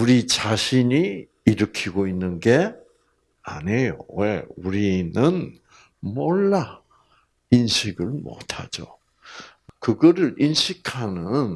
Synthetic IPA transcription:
uɾit͡ɕaɕʰiɲiː | ɾɯkʰiɡoinːɯnɡe̞ | a̰nejo̰weuɾiinːɯn | moɭːa | inɕʰiɡɯɭmo̰tʰa̰d͡ʑo̰ | kɯɡʌɾɯɾinɕʰikʰanɯn

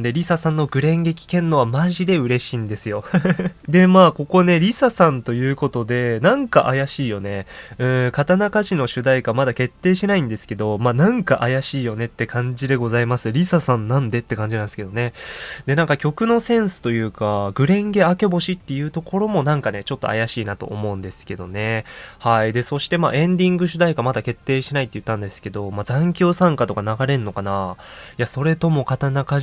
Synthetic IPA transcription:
d̪e̞ɾʲisasãnːo̞ɡɯ̟ɾẽ̞ŋɡe̞kʲi̥kẽ̞nːo̞βamaʑid̪e̞ɯ̟ɾe̞ɕiːnd̪e̞sɨjo̞d̪e̞maːko̞ko̞ne̞ɾʲisasãnt̪o̞jɯ̟ːko̞t̪o̞d̪e̞nãŋkaʔajaɕiːjo̞ne̞ɯ̟̃ːkat̪anakaʑino̞ɕɨd̪aikamad̪ake̞t̪ːe̞ːɕinaĩnd̪e̞sɨ̥ke̞d̪o̞maːnãŋkaʔajaɕiːjo̞ne̞t̪ːe̞kãɲ̟d͡ʑid̪e̞ɡo̞zaimasɨɾʲisasãnːãnd̪e̞t̪ːe̞kãɲ̟d͡ʑinãnske̞d̪o̞ne̞d̪e̞nãŋkakʲo̞kɯ̟no̞sẽ̞ɰ̃sɨ̥t̪o̞jɯ̟ːkaɡɯ̟ɾẽ̞ŋɡe̞ake̞bo̞ɕit̪ːe̞jɯ̟ːt̪o̞ko̞ɾo̞mo̞nãŋkane̞t͡ɕo̞t̪ːo̞̰a̰jaɕiːnat̪o̞̰ʔːmo̞ɯ̃nd̪e̞sɨ̥ke̞d̪o̞ne̞haid̪e̞so̞ɕi̥t̪e̞ma̰ːʔẽ̞nd̪ʲĩŋɡɯ̟ɕ̬ɨd̪aikamad̪ake̞t̪ːe̞ːɕinait̪ːejɯ̟t̪ːãnd̪e̞sɨ̥ke̞d̪o̞mazãŋkʲo̞ːsãŋkat̪o̞kanaɡaɾe̞nːo̞kanajaso̞ɾe̞t̪o̞mo̞kat̪anaka

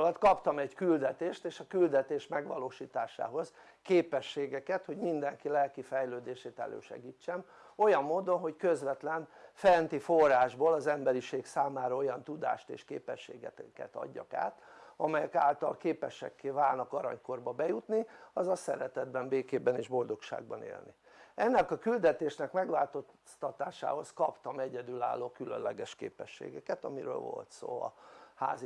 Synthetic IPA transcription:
lɒt̪kɒpt̪ɒmɛɟkyld̪ɛt̪eːʃt̪eːʃɒkyld̪ɛt̪eːʃmɛɡʋɒloːʃiːt̪aːʃa̰ːɦo̞z | keːpɛʃːeːɡɛkɛt̪ho̞ɟmind̪ɛŋkilɛlkifɛjløːd̪eːʃeːt̪ɛ̰lø̰ːʃɛ̰ɡiːt͡ʃːɛm | o̞jɒmːoːd̪o̞nɦo̞ckøzʋɛt̪lɛnfɛnt̪iforaːʒboːlɒzɛmbɛɾiʃeːɡsaːmaːɾɒo̞jɒnt̪ud̪a̰ːʃt̪ḛːʃkḛːpɛʃːḛːɡɛ̰t̪kɛ̰t̪ɒ̰ɟːɒ̰ka̰ːt̪ɒmɛjɛka̰ːlt̪ɒ̰lkeːpɛʃɛ̰kːeːvaːlnɒkɒɾɒ̰ɲko̞rbɒbɛjut̪niɒzɒsɛɾɛt̪ɛd̪bɛmbeːkeːbɛneːʒbo̞ld̪o̞kʃa̰ːɡ̚bɒnḛːlnḭ | ɛnːɛkɒkyld̪ɛt̪eːʃnɛkmɛɡʋaːlt̪o̞st̪ɒt̪aːʃa̰ːho̞skɒpt̪ɒmɛɟɛd̪yla̰ːlːoːkylø̰nlːɛɡɛʃkḛːpɛʃːḛːɡɛkɛt̪ɒmiɾø̰ːlvo̞̰lt̪so̰ːɒ̰ha̰ːzi

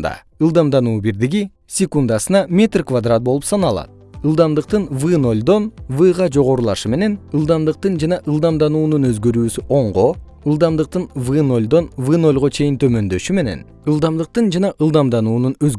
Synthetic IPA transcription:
d̪ɑ̰ | ɨlˠd̪ɑmd̪ɑnuːbiɾd̪iɡi | sʲekund̪ɑsɯnɑmʲe̞t̪rkvad̪rat̪̚bo̞lˠupsɑnɑlˠɑ̰t̪̚ | ɯlˠd̪ɑmd̪ɯqt̪ɯnvɨno̞lʲd̪o̞nvɨʁɑd͡ʒo̞ʁo̞ɾulˠɑʃɯme̞ne̞nɨlˠd̪ɑmd̪ɯq̚t̪ɯnd͡ʒɑnɑʔɨlˠd̪ɑmd̪ɑnuːnunø̞zɡø̞ɾyːsyʔo̞ɴʁo̞ | ɯlˠd̪ɑmd̪ɯq̚t̪ɯnvɨno̞lʲd̪o̞nvɨno̞lʲʁot͡ʃʰe̞jint̪ʰø̞mø̞nd̪ø̞ʃyme̞ne̞̰n | ɨlˠd̪ɑmd̪ɯq̚t̪ɯnd͡ʒɑnɑʔɯlˠd̪ɑmd̪ɑnuːnunøz

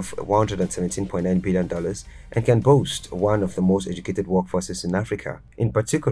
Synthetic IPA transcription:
vwʌ̃nhʌ̃ndɹədə̃ndsɛvɛ̃ntʰĩnpɔ̃ɪ̃nãɪ̃nbiljə̃ndɔləz̥ | ʔɛ̃nkɛ̃nbostwʌ̃nɔvðəmoʊstɛd͡ʒukʰetɨd̚wɜkfɔsɛzɪ̃nafɹikʰa̰ | ʔɪ̃npətʰikj

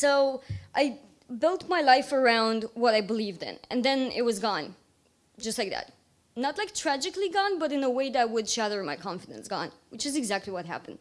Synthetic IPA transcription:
soʊʔaɪ | bɪlˠtmaɪlaɪfə˞ãʊ̃ndwʌɾaɪbəlivðɨ̰̃nɨ̰̃nðɨ̃nɪ̰t̚wʌzɡɔ̃n̥ | d͡ʒ̥ʌstˡlaɪk̚ðæ̰t̚ | nətlaɪk̚tʰɹ̥æd͡ʒɨkliɡɔ̃nbʌɾɨ̃nəweɪðɨaɪwədʃæɾə˞maɪkʰɑ̃ɱfɨɾɨ̰̃nsɡ̥ɔ̰̃nwɨt͡ʃɨzɨɡzæk̚tˡliwʌt̚ɦæ̰pɨ̃n̩d̥

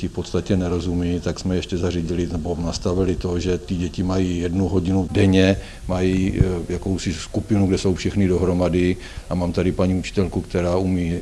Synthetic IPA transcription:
ɪfpo̞t̪st̪acɛnɛɾo̞zumiːt̪aksmɛjɛʃcɛzariɟɪlɪnɛbonast̪avɪlɪt̪o̞ʒɛt̪ɪɟɛcɪmajiːjɛdnuɦo̞ɟɪnudɛɲɛ | majiːjako̞wsɪskupɪnuɡdɛso̞wfʃɛxnɪdo̞ɦɾo̞madɪ | ʔamaːmt̪adɪpaɲiːut͡ʃɪ̥t̪ɛlkukt̪ɛɾaːumiː

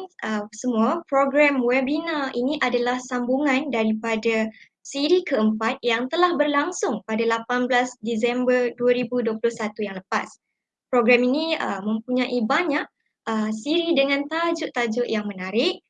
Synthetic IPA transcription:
əsəmuapɾoɡɾamwɛbinaʔiniʔadalahsambuŋãndaɾipada | siɾikəəmpat̪̚jaŋt̪əlahbərlaŋsʊŋpadalapanblasdisɛmbərduaɾibuduəplʊhsat̪ujaŋləpas | pɾoɡɾaminiəmə̃mpuɲaʔibaɲaʔ̚ | əsiɾidəŋãnt̪ad͡ʒʊʔt̪ad͡ʒʊʔjaŋmənaɾɪʔ̚

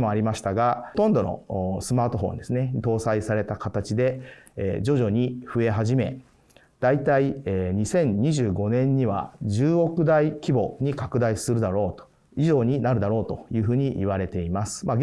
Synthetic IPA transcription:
mo̞aɾʲimaɕi̥t̪aɡat̪õ̞nd̪o̞no̰sɨmaːt̪o̞ɦõ̞̰nd̪e̞sɨne̞t̪o̞ːsaisaɾe̞t̪akat̪at͡ɕid̪e̞ | d͡ʑo̞ʑo̞ɲ̟iɸɯ̟e̞ɦaʑime̞̰ | d̪̥ait̪aieɲ̟isẽ̞ɲɲiʑɨːɡo̞nẽ̞ɲ̟ːiβ̞a̰ʑɨːo̞kɯ̟d̪aikʲibo̞ɲ̟ikakɯ̟d̪aisɨɾɯ̟d̪aɾo̞ːt̪o̥ | iʑo̞ːɲ̟inaɾɯ̟d̪aɾo̞ːt̪o̞̰jɯ̟ːɸɯ̟ːɲ̟iʔːβ̞aɾe̞t̪e̞imasɨ̥ma

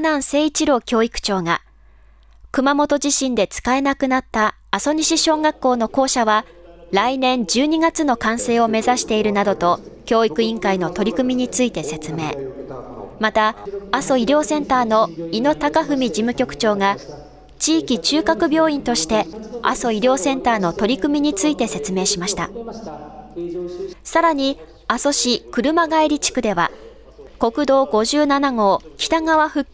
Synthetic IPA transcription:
nãɰ̃se̞ːit͡ɕiɾo̞ːkʲo̞ːikɯ̟̥t͡ɕo̞ːŋa | kɯ̟mamo̞t̪o̞ʑiɕĩnd̪e̞t͡sɨ̥kae̞nakɯ̟nat̪ːaː | so̞ɲ̟iɕiɕo̞ːŋɡakːo̞ːno̞ko̞ːɕaβaɾainẽ̞ɲ̟d͡ʑɨːɲ̟iɡat͡sɨno̞kãɰ̃se̞ːo̞me̞zaɕi̥t̪e̞iɾɯ̟nad̪o̞t̪o̞kʲo̞ːikɯ̟ĩŋkaino̞t̪o̞ɾʲikɯ̟mʲiɲ̟it͡sɨit̪e̞se̞t͡sɨme̞ː | mat̪aːso̞iɾʲo̞ːsẽ̞nt̪aːno̞ino̞t̪akaɸɯ̟mʲid͡ʑimɯ̟kʲo̞kɯ̟̥t͡ɕo̞ːŋa | t͡ɕiːkʲit͡ɕɨːkakɯ̟bʲjo̞ːĩnt̪o̞ɕi̥t̪e̞a̰so̞iɾʲo̞ːsẽ̞nt̪aːno̞t̪o̞ɾʲikɯ̟mʲiɲ̟it͡sɨit̪e̞se̞t͡sɨme̞ːɕimaɕi̥t̪a̰ | saɾaɲ̟i | aso̞ɕikɯ̟ɾɯ̟maɡaiɾʲit͡ɕi̥kɯ̟d̪e̞βa̰ | ko̞kɯ̟d̪o̞ːɡo̞ʑɨːnanaɡo̞ːkʲi̥t̪aŋaβaɸɯ̟

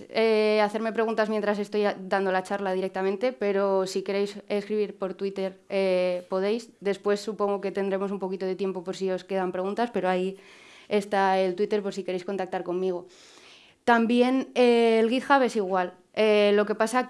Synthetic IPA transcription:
eaθe̞ɾme̞pɾeɣunt̪azmjent̪ɾase̞st̪o̞jd̪and̪olat͡ʃaɾlað̞iɾe̞k̚t̪amẽnt̪e̞pe̞ɾo̞sike̞ɾe̞jse̞skɾiβiɾpo̞ɾt̪wit̪e̞ɾepo̞ð̞e̞jsd̪e̞spwe̞sːupo̞ŋɡoke̞t̪e̞nd̪ɾe̞mo̞sumpo̞kit̪o̞ðe̞t̪je̞mpo̞po̞ɾs̬io̞ske̞ðampɾe̞ɣ̞unt̪aspe̞ɾoai | e̞st̪ae̞lt̪wit̪e̞ɾpo̞ɾsike̞ɾe̞jsko̞nt̪ak̚t̪aɾko̞mmiɣ̞o | t̪ambje̞neːlɣiθxaβesiɣ̞wal | elo̞ke̞pasa

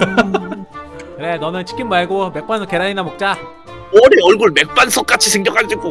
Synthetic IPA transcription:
kɯnenʌnɯnt͡ɕʰi̥kʰimbaɭɡome̞k̚p͈ansʰʌk͈eɾaɲinamok̚t͡ɕ͈a | ʌɾeʌɭɡuɭme̞k̚p͈ansʰʌk͈at͡ɕʰisʰeŋɡjʌkʰadd͡ʑik͈o

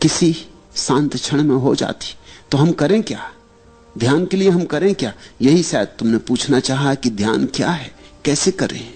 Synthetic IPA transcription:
kɪsi | sãːnt̪t͡ʃʰəɽ̃mẽɦod͡ʒa̰ːt̪i̥t̪oɦɐmkɐɾẽkja̰ː | d̪ʱjaːnkelieɦɐmkɐɾẽkjaːjɐɦisɛːd̪̚t̪ʊmnepuːt͡ʃʰnat͡ʃaːɦakid̪ʱjaːnkja̰ɦɛːkɛːsekɐɾḛ̃

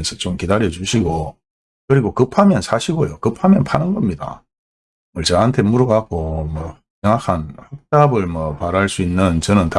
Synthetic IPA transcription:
nsʰʌt͡ɕomkidaɾjʌt͡ɕuɕʰiɡo | kɯɾiɡokɯpʰamjʌnsʰaɕʰiɡojokɯpʰamjʌnpʰanɯnɡʌmɲida̰ | mʌɭt͡ɕʌɦantʰe̞muɾuɡakʰomʌ | seŋakʰanhak̚t͈abɯɭmʌpaɾaɭs͈uinːɯnt͡ɕʌnɯnta

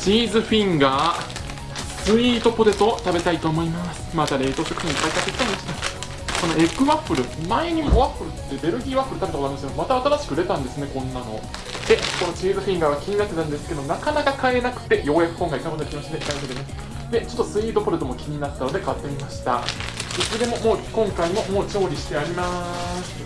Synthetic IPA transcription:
t͡ɕiːzɨɸĩŋɡaː | sɨiːt̪o̞poɾe̞t̪o̞t̪abe̞t̪ait̪o̞ːmo̞imasɨ̥mat̪aɾe̞ːt̪o̞ːɕo̞kɯ̟çĩipːaik̪at̪ːekʲi̥t̪aimaɕi̥t̪a | ko̞no̞e̞kɯ̟βaɸɯ̟ɾɯ̟maeɲ̟imoβaɸɯ̟ɾɯ̟t̪ːe̞be̞ɾɯ̟ɡʲiːβapɯɾɯ̟t̪abe̞t̪aoanskjomat̪aaːt̪aɾaɕi̥kɯ̟ɾe̞t̪ãnd̪e̞sɨne̞kõ̞nːano̞̰ | d̪̥e̞ko̞no̞t͡ɕiːzɨɸʲĩŋɡaβakʲiɲ̟inat̪ːe̞t̪ãnd̪e̞sɨ̥ke̞d̪onakanakakae̞nakɯ̟̥t̪e̞jo̞ːjakɯ̟̥kõŋkaik̪abɯnkʲimo̞t͡ɕid̪e̞kaseɾemas | d̪e̞t͡ɕo̞t̪ːo̞sɨiːd̪o̞pɯ̟ɾɯ̟t̪o̞mokʲʰiɲ̟inat̪ːano̞d̪e̞kat̪ːemʲimaɕi̥t̪a̰desɨd̪e̞mo̞mo̞ːkõ̞ŋkaimo̞mo̞ːt͡ɕo̞ːɾʲiɕi̥t̪e̞aɾʲimasɨ̥

